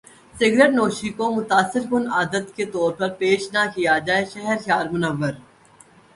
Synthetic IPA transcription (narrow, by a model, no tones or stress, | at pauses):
sɪɡɾəʈnoːʃikomʊt̪aːsːɪɾkʊnaːd̪ət̪ket̪ɔːɾpɐɾpeːʃnakijad͡ʒaːeʃɛɦɛɾkjaːɾmʊnəʋːəɾ